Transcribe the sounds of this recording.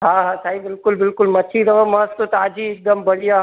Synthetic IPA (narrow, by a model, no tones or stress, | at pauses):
ɦãɦãsaːibɪlkʊlbɪlkʊlmɐtʃʰiɾɐʋəmɐst̪ot̪aːd͡ʒiɪk̚d̪əmbɐɽija